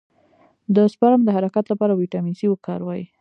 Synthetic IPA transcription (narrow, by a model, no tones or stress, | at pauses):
d̪əspɑɾamd̪əɦaɾakat̪lapɑɾawiʈamiziwəkɑɾwɑji